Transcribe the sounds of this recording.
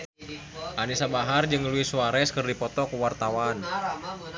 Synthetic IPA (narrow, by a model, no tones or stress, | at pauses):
ʔanisabaɦard͡ʒɨŋluisuaɾɛskɨrdipɔt̪ɔkuwart̪awan